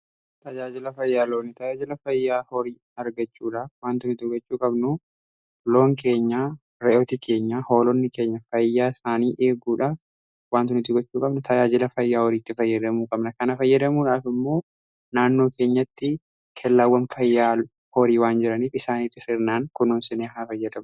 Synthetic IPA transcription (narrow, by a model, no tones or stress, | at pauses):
t̪ɐd͡ʒaːd͡ʒɪlɐfɐjːaːloːnːɪt̪ɐd͡ʒaːd͡ʒɪlɐfɐjːaːhɔɾiː | ɐɾɡɐt͡ʃːuːᶑaːfwaːnt̪ʊnɪt̪ɪɡɔt͡ʃːuːkʼɐbnʊ | lo̞ːŋke̞ːɲːaː | ɾɛʔoːt̪ikʰe̞ːɲːaho̞ːlɔnːɪke̞ːɲːɐfɐjːaːɪsaːniːʔe̞ːɡuːᶑaːf | waːnt̪ʊnɪt̪ːɪɡɔt͡ʃːuːkʼɐbnʊt̪ʰɐjaːd͡ʒɪlɐfɐjːaːhɔɾiːt̪ːɪfɐjːɐd̪ɐmuːkʼɐbnɐkɐnɐfɐjːɐd̪ɐmuːᶑaːfɪmːo̞ː | naːnːo̞ːkʰe̞ːɲːɐt̪ːɪ | kʰɛlːawːɐnfɐjːaː | hɔɾiːwaːnd͡ʒɪɾɐniːfɪsaːniːt̪ːɪsɪɾnaːŋkʊnuːnsɪneːhaːfɐjːɐd̪ɐmʊ